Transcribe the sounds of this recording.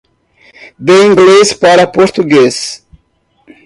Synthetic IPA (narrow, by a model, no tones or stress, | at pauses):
d̪eĩŋɡlespaɾɐpoɾt̪uɡes